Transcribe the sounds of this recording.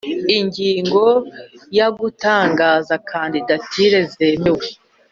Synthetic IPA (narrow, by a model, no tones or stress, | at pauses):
iɲɟiːŋɡo̞jaɡutaːŋɡaːzakʰaːndidatʰiɾe̞ze̞mewe̞